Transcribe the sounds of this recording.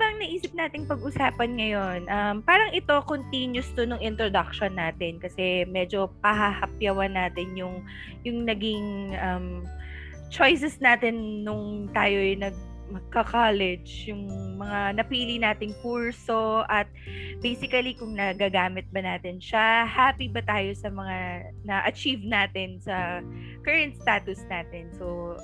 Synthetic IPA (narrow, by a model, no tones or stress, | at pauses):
bɐɐŋnɐʔiːsɪp̚naːt̪ɪŋpɐɡʔʊsaːpɐnŋɐjo̞nʔɐmpaːɾɐŋʔɪt̪o̞kont̪injʊst̪onʊŋʔɪnt̪ɾod̪ɐk̚ʃonːaːt̪ɪnkɐsɛmɛd͡ʒo̞pɐɦɐhɐpjɐwɐnːaːt̪ɪnjʊŋ | jʊŋnɐɡiŋʔɐm | t͡ʃojs̬ɛsnaːt̪ɪnːʊŋt̪aːjo̞jnɐɡ̚ | mɐɡ̚kɐkaːlɛd͡ʒjʊŋmɐŋanɐpiːlinaːt̪ɪŋkuɹso̞ʔɐt̪̚bejsɪkɐlikʊŋnɐɡaːɡaːmɪt̪̚bɐnaːt̪ɪnʃahaːpibɐt̪aːjo̞sɐmɐŋa | nɐʔɐt͡ʃivnaːt̪ɪnsɐ | kɐɹɐnt̪̚st̪aːt̪ʊsnaːt̪ɛnso